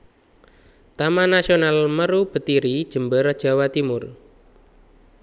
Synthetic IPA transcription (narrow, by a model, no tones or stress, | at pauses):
t̪amanasionalməɾub̥ə̤t̪iɾid̥ʒ̥ə̤mbəɾad̥ʒ̥a̤wat̪imʊr